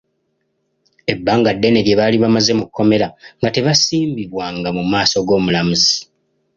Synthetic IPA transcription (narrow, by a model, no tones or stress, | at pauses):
e̞bːaːŋɡadːe̞ne̞βje̞βaːliβamaze̞mukʰːo̞me̞ɾaŋɡate̞βasiːmbiβwaːŋɡamumaːso̞ɡo̞ːmulamuzi